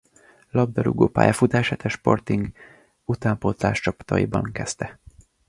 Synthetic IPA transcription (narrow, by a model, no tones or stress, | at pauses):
lɒb̚d̪ɒɾṵɡoːpa̰ːjɒfut̪aːʃaːt̪ɛʃpo̞̰rt̪iŋɡ | ut̪aːmpot̪la̰ːʃt͡ʃɒpt̪ɒ̰jibɒŋkɛst̪ɛ